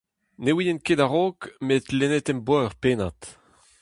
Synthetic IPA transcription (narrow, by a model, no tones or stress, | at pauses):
newinenkedaʁoːkmet̪lenet̪ɛmbwɔːʁpeːnat̪